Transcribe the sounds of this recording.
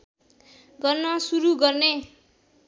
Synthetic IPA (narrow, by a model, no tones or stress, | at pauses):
ɡʌrnʌsuɾuɡʌrne